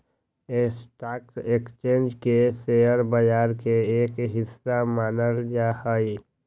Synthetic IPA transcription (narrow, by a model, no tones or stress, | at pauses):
esʈaːkseːkst͡ʃẽːnd͡ʒkeseəɾbəjaːɾkeeːkeɦɪsːamaːnəld͡ʒahaːi